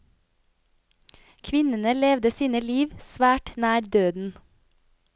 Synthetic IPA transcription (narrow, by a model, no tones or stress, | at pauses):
kʰʋɪnənəleːʋd̪əsiːnəliːʋsʋæːʈnæːɾd̪øːd̪n̩